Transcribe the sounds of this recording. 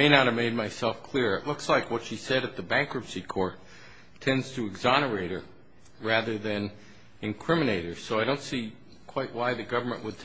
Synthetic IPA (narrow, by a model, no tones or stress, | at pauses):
eɪnɑt̚hɨvmeɪd̚maɪsɛlˠfkʰl̥ɪɹɨtˡlʊkslaɪkwʌtʃisɛɾɨt̪̚ðɨbæ̃ŋkɹɨpsikʰɔɹtʰ | ɛ̃ndz̥tʰɨɨɡzɑñə˞eɪɾə˞ | ɹæðə˞ðɨ̃n | ɨ̃nkʰɹ̥ɪ̃mɨneɪɾə˞soʊaɪɾõʊ̃ntsi | kʰw̥aɪʔ̚waɪðɨɡʌvə˞mə̃nʔwəd̚tʰ